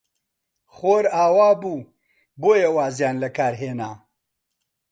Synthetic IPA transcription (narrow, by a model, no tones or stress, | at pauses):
χoːɾaːwaːbuː | boːjɐwaːzjaːnlɐkaːɾɦeːnaː